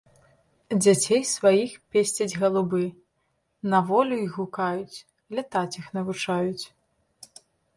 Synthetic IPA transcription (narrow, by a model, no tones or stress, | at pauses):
d͡zʲat͡sʲejsvajixpʲesʲt͡sʲɐd͡zʲɣɐlˠubɨ | nɐvɔlʲuiɣukajut͡sʲ | lʲat̪at͡sʲixnɐvut͡ʂajut͡sʲ